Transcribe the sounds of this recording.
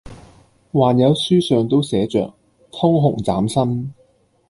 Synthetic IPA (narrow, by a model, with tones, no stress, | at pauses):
waː˨˩njɐ˨˧˥wsyː˥sœː˨˧ŋt̪o˥wsɛː˨˥t͡ʃœ̰ː˨k̚ | t̪ʰʊ˥ŋɦʊ˨˩ŋt͡sa̰ː˨˥msɐ˥n